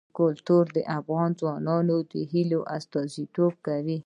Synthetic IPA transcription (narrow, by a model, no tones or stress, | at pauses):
kʊlt̪uɾd̪əʔafɣɑnzwɑnɑnod̪əɦiloʔast̪ɑzit̪ob̚kawi